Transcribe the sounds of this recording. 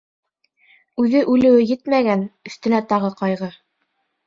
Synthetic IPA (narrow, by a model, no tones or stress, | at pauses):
ʉðɘʔʉlɘ̆wɘjɘt̪mæɡænɵ̆θt̪ɵ̆næt̪ɑʁɤqɑjʁɤ